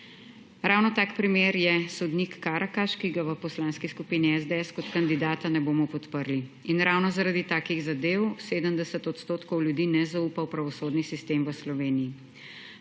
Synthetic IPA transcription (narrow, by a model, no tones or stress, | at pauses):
ɾawnɔt̪aːkpɾimeːɾjɛsɔd̪nikːaːɾʔakaʃkiɡaʋəpɔslaːnskiskupiːniɛzd̪eɛskɔt̪kand̪id̪aːt̪anɛboːmɔpɔt̪pəɾli | inɾawnɔzaɾad̪it̪aːkiɣzad̪eːwseːd̪əmd̪ɛsət̪ɔt̪st̪oːt̪kɔwljud̪iːnɛzauːpawpɾɐʋɔsoːd̪nisist̪emʋəslɔʋeːniji